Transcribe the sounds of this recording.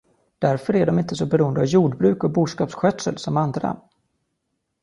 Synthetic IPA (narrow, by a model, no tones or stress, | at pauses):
d̪̥æɾfœɾæɖɔmɪnt̪əsɔbɛɾuːənd̪əavjuːɖbɾʉ̟ːkɔbuːʂkɑːpsɧœːt̪səlsɔmand̪ɾa̰